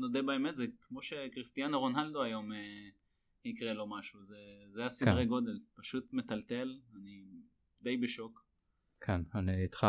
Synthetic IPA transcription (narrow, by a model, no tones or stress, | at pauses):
nod̪ebaeme̞t̪zekmo̞ʃe̞kʁist̪ianoʁonald̪oajo̞me | hikʁelo̞maʃuzezeajasidʁeɡo̞d̪elpaʃut̪met̪alt̪e̞lani | d̪e̞jbeʃo̞k | kʰenaninit̪χa